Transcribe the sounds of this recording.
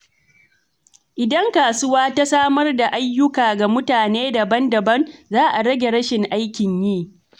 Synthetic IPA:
ʔɪ˨dɐ˦ŋkaː˨sʊ˦waː˦ta˦saː˦mɐ˦rda˨ʔa˦jːʊ˦kaː˨ɡa˨mʊ˦taː˨neː˦dɐ˨bɐ˦ndɐ˨bɐ˦nzaː˦ʔa˨ɽɐ˦ɡʲe˨ɽɐ˦ʃɪ˨ŋʔa˦jkʲɪ˨ɲjiː˦˨

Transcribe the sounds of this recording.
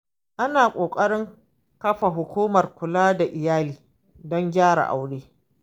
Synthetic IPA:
ʔa˦naː˨kʷʼoː˨kʼɐ˦ɽɪ˦ŋ | kɐ˦ɸa˨ɦʊ˨kʷuː˦mɐ˨rkʷʊ˨laː˦da˨ʔɪ˨jaː˦liː˨ | dɔ˦ŋɡʲaː˦ɽa̰˨ʔa̰˨wɽeː˦

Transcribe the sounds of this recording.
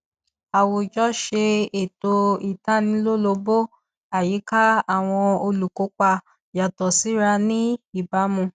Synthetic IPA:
a˨wo˧˨d͡ʒɔ˦ʃe˧e˨to˧i˨ta˦nĩ˧˦lo˦lo˧bo˦ | a˨ji˨˦ka˦a˨w̃ɔ̃˧o˧lu˨ko˨˦k͡pa˧ | ja˨tɔ˨si˨˦ɾa˧nĩ˦i˦˨ba˨˦mũ˧

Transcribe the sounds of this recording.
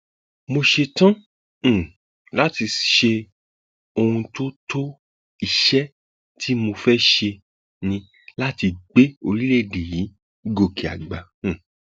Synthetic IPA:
mo˧ʃe˧tã˦˨ | la˦ti˧ʃe˧ | o˧ũ˧to˦tʰo˦ | i˦˨ʃɛ˦ | tʰi˦mo˧fɛ˦ʃe˧ | nĩ˧ | la˦ti˧ɡ͡be˦o˧ɾi˦le˦˨de˨ji˨˦ | ɡo˨ki˨a̰˨ɡ͡bã˨

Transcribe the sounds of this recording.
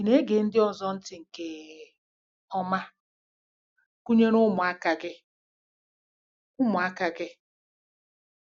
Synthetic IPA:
i˨ne˦ɡe˨n̩˦dɪ˦ɔ˨zɔ˦n̩˦tɪ˨ŋ̩˨ke˨ | ɔ˦ma˦ | ku˦ɲe˦nʊ˦mʊ˨a˦ka˨ɡɪ˦ | ʊ˦mʊ˨a˦ka˨ɡɪ˦

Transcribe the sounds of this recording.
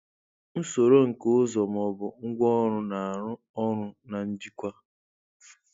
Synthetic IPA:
n̩˦so˨ɾo˦ŋ̩˨kʊ˦zɔ˨m˨ɔ˨bʊ˨ŋ̩˦ɡʷɔ˦ɾʊ˦na˨ɾʊ˦ | ɔ˦ɾʊ˦na˨m̩˦d͡ʒi˦kʷa˦

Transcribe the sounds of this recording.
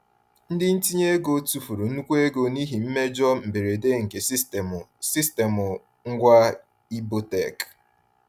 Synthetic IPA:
n̩˦dɪ˦n̩˦ti˦ɲe˦ɡo˨tu˨fu˨ɾu˨n̩˦u˦kʷe˦ɡo˨ni˦ɦi˨m̩˦me˦d͡ʒɔ˦m̩˨be˨ɾe˨de˦ŋ̩˨ke˨ssi˦ste˨mʊ˨ | ŋ̩˦ɡʷa˦ | i˦bo˦te˨k

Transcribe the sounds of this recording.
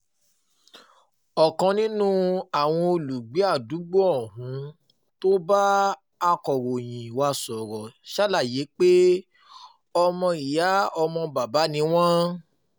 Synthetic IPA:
ɔ˨kã˨˧nĩ˦nũ˦a˦˨w̃ɔ̃˧o˧lu˨ɡ͡be˨˦a˦˨du˨˦ɡ͡bɔ˦ɔ˦˨ɦũ˨˦ | to˦ba˦ | a˧kɔ˨ɾo˨j̃ĩ˨wa˧sɔ˨ɾɔ˨ʃa˦la˦˨je˨˦k͡pe˦ | ɔ˧mɔ̃˧i˨ja˨˦ɔ˧mɔ̃˧ba˨ba˨˦nĩ˧˦w̃ɔ̃˦

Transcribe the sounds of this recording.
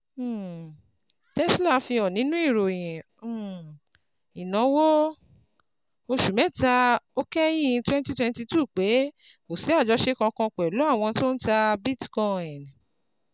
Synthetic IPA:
tɛ˦sla˦˨fĩ˧ɔ˨nĩ˦nũ˦i˦˨ɾo˨j̃ɛ̃˨˦˨ | i˨nã˨˦wo˦ | o˧ʃu˨mɛ̃˨˦˨ta˧o˦kɛ˦jĩ˦˨ĩ˧twɛ̃˦n˦ti˦twɛ̃˧nti˧tuː˦˨k͡pe˨˦ | ko˨si˨˦a˦˨d͡ʒɔ˧˦ʃe˦kã˧kã˧kʷɛ˨lu˨˦a˦˨w̃ɔ̃˧to˦n̩˦ta˧bi˦tkɔ˧˨ĩ˨n˨

